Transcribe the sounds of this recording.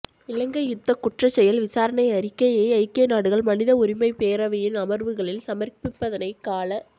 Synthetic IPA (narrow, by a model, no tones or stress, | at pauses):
ɪlɐŋɡɐjʊt̪ːɐkʊʈrɐt͡ʃːɛjɐlʋɪsaːɾɐnɐɪɐɾɪkːɐjeːɐɪkːeːnaːɽɯɣɐɭmɐnɪðɐʊɾɪmɐɪpeːɾɐʋɐjɪnɐmɐɾʋɯɣɐɭɪlsɐmɐrpɪpːɐðɐnɐɪkaːlɐ